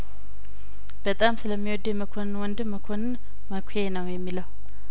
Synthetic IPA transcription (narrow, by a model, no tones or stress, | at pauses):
b̥ət̪ʼamsɨləmːiwɔd̪jɛməkʰo̞nwɔnd̪ɨmːəkʰo̞nn | məkʷʰjenəwjɛmːiləw